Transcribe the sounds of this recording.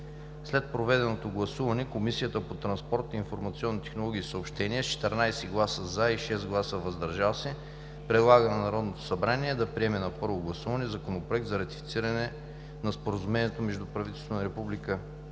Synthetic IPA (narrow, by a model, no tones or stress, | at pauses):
slɛt̪̚pɾovɛd̪ɛnot̪oɡlˠɐsuvɐnɛkomisijət̪əpot̪ɾɐnspɔɾt̪iːnfoɾmɐt̪siɔnːit̪ɛ̥xnolˠɔɡ̟ʲiːsəopʃt̪ɛniəst͡ʃɛ̥t̪ɛɾnajsɛɡlˠasəzaiʃɛzɡlˠasəvɐzd̪ɐɾʒalˠsɛ | pɾɛd̪lˠaɡənɐnɐɾɔd̪not̪o̥sɐbɾaniɛd̪ɐpɾiɛmɛnɐpɤɾvoɡlˠɐsuvɐnɛzɐkonopɾoɛk̚d̪zɐɾɐt̪i̥fit̪siɾɐnɛ | nɐspoɾəzumɛnʲiɛt̪omɛʒd̪upɾɐvit̪ɛlst̪vonɐɾɛpublikə